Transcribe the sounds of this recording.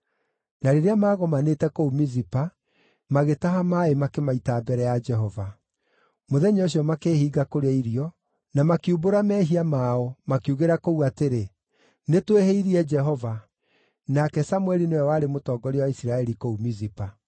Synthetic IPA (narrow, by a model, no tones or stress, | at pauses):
naɾeɾeamaːɣɔmanetɛkoumizipa | maɣetaɦamaːemakemaitabɛɾɛjad͡ʒɛɦɔva | moðɛɲoɕ̬iɔmakeːhiːɡakoɾeaiɾiɔ | namakiuboɾamɛɦiamaɔmakiuɣeɾakouateɾe | netweheiɾiɛd͡ʒɛɦɔva | nakɛsamwɛɾinewɛwaːɾemotɔːɡɔɾewaisiɾaɛɾikoumizipa